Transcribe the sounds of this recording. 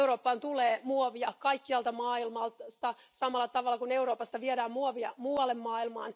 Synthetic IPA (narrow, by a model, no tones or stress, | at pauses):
uɾoːpːɑːnt̪uleːmuoʋiɑkɑikːiɑlt̪ɑmɑːilmɑlst̪ɑ | sɑmɑlːɑt̪ɑʋɑlːɑkuneuɾoːpɑst̪ɑʋiedæːmmuoʋiɑmuɑlemːɑːilmɑ̰ːn